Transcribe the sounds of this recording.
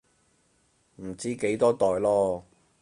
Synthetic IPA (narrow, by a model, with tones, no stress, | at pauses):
m̩˨˩t͡siː˥ke˨˥jt̪ɔː˥t̪ɔː˨jlɔː˥